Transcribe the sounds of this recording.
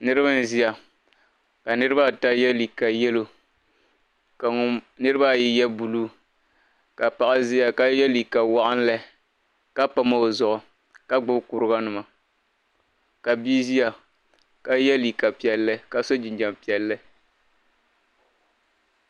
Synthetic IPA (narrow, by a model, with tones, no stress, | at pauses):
nɨ˦ɾɨ˦ba˦n˦˨zi˦ja˨ | ka˨nɨ˦ɾɨ˦ba˦˨ta˦jɛ˦li˨ka˨jɛ˦lo˨ | ka˨ŋʊ˦nɨ˦ɾɨ˦ba˦˨ji˦jɛ˦bu˨luː˦ | ka˨pa˨ʔa˦zi˦ja˨ka˦jɛ˦li˨ka˨wa˦ʔa˦n˦lɛ˦ | ka˦pa˦ma˦o˨zʊ˨ʔʊ˨ | ka˦ɡ͡bʊ˦bku˨ɾɨ˦ɡa˦nɨ˨ma˨ | ka˨bi˦zi˦ja˨ | ka˦jɛ˦li˨ka˨pi˨ɛ˨lːɨ˦ka˨so˦d͡ʒɪ˨ɲd͡ʒa˨mpi˨ɛ˨lːɨ˦